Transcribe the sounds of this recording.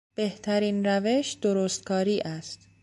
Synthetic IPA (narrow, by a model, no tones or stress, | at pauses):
b̥e̞ht̪ʰæɾiːnɾæve̞ʃd̪̥oɾoːst̪̚kʰɒːɾiːʔæst̪